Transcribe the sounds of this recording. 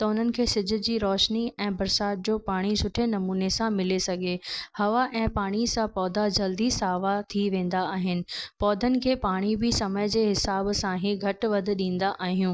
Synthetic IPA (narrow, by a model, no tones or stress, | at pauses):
t̪ɐʊn̤ənɪ̆kʰeːsɪd͡ʑʱʊ̆d͡ʑiːɾɔːʃniɛ̃ːbɐɾsaːt̪̚d͡ʑoːpaːɽ̃isʊʈʰenɐmuːnesãmɪlesɐɡʱehɐʋaʔɛ̃ːpaːɽ̃isãpɔːd̪ʱad͡ʑɐld̪isaːʋat̪ʰiʋẽːn̆d̪aaːɦɪnɪ̆pɔːd̪ʱənɪ̆kʰeːpaːɽ̃ibɪsɐməjd͡ʑeːɦɪsaːbsãɦɪ̃ɡʱɐʈʋɐd̪ʱɪ̆ɗĩːn̆d̪aʔaːɦijũː